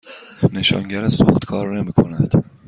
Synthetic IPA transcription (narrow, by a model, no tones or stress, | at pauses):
ne̞ʃɒ̰ːŋɟæɾesuχt̪kʰɒːɾne̞miːkʰo̞̰næd̪̥